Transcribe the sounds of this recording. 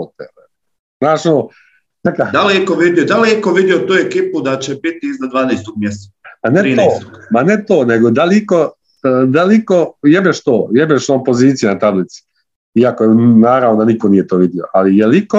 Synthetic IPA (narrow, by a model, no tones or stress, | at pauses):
ot̪ḛle | znaːʃono | nekad̪alkoʋid̪ijod̪aliikoʋid̪ijot̪uːjekiːpud̪at͡ɕebit̪iiznad̪ʋaːnejst̪oɡ̚mjest̪amaneɾːoːt̪omanet̪oːneɡod̪aliko̞ | d̪aliko̞jebeʃt̪oːjebeʃoːpo̞ziːt̪sijenat̪ablit̪si̥ | iakoenaːɾaʋno̞d̪anikoniːjet̪oːʋid̪ijo̞̰ʔalijeliko